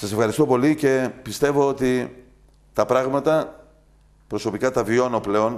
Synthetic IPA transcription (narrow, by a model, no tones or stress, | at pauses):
sɐse̞fxɐɾist̪o̞po̞lice̞pist̪e̞vo̞ot̪i | t̪ɐpɾɐɣmɐt̪ɐ | pɾo̞so̞pikɐt̪ɐvio̞nople̞o̞n